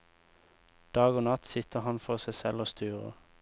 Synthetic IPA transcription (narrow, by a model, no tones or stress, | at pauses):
d̪̥ɑːɡoːnɑt̪sɪt̪əʁhɑnfɔʁsæɪsɛloːst̪ʰyːʁə̰